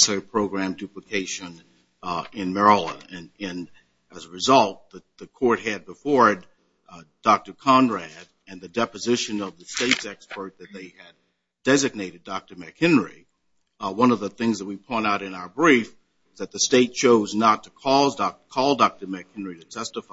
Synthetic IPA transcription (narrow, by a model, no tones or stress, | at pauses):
səpʰɹ̥oʊɡɹæ̃mdʉpləkʰeɪʃɨ̃n | ɪ̃nmɛɹlˠə̰̃nɨ̃nɨ̃n | ʔɨzəɹɨzʌlˠt̪̚ðɨðɨkʰɔɹt̚ɦɨd̚bəfɔɹd | d̥ɑk̚tə˞kʰɑ̃nɹæɾ | ɨ̃nðɨdɛpɨzɪʃɨ̃nʌvðɨsteɪtsɛkspə˞t̪̚ðɨt̪̚ðeɪɨd̚ | dɛzɨɡ̚neɪɾɨdɑk̚tə˞mɨkhɪ̃nɹi | wʌ̃nʌvðəθɪ̃ŋzðɨt̚wipʰɔ̃ɪ̃ñtaʊɾɨ̃naʊə˞bɹif | ʌzðɨt̪̚ðɨsteɪt̚t͡ʃʰoʊznətʰɨ̥kʰɔzdɑkʰɔlˠdɑk̚tə˞mɨk̚hɪ̃nɹiɾɨtʰɛstəf